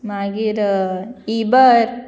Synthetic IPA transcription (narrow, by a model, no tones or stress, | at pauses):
maːɡiɾ | ibəɾ